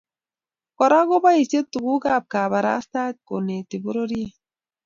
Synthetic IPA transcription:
kɔ˨ɾa˦ɡo˦ba˦i˨se˦t̪ːu˨ɡu˦ɡa˦˨p̚ka˨ba˨ɾa̰˦st̪a˦t̪̚ko˨ne˨ti˨bo˦ɾo˦ɾi˦e˦

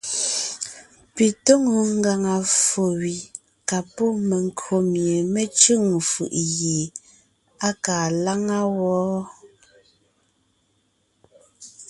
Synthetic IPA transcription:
pi˨to˦ŋo˨ŋ˦ɡa˨ŋa˨fo˨wi˨ | ka˨pɔ˦me˨ŋ˦kʰo˨mje˨me˦t͡ʃʉ˦˨ŋ˨fɯ̰˨ʔɣe˨ | a˦kaː˨la˦ŋa˦wɔː˨˦

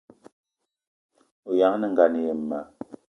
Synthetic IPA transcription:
o˨ja˨˦ŋ˦nɛ˦ŋ̩˨ɡa˨ni˨je˨mː˨a˨

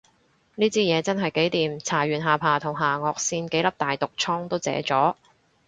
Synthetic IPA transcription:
niː˥t͡siː˥jɛː˨˧t͡sɐ˥nɦɐ˨jke˨˥jt̪iː˨mt͡sʰaː˨˩ɥyː˨˩nɦaː˨pʰaː˨˩t̪ʰʊ˨˩ŋɦaː˨˩ŋɔː˨k̚siː˧nke˨˥jlɐ˥p̚t̪aː˨jt̪ʊ˨k̚t͡sʰɔː˥ŋt̪o˥wt͡sɛ̰ː˨˥t͡sɔː˨˥

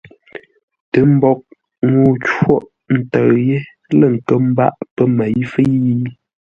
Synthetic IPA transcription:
tə˨˦m̩˦bɔ˦k̚ | ŋo˦t͡ʃwo˦ʔ | n̩˦˨tə˨ɣje˦ | lə˦˨ŋ̩˨kə˦m̩˦ba̰˦˨ʔpə˦ma˨ji˦fə˦ji˦

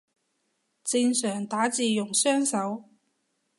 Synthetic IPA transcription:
t͡si˧nsœː˨˩ŋt̪aː˨˥t͡siː˨jʊ˨˩ŋsœː˥ŋsɐ˨˥w

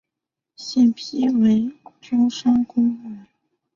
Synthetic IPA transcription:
ɕjɛ˥˩npʰi˥we˧˥ɪʈ͡ʂʊ˥ŋʂɑ˥ŋkʊ˥ŋa˧˩˥

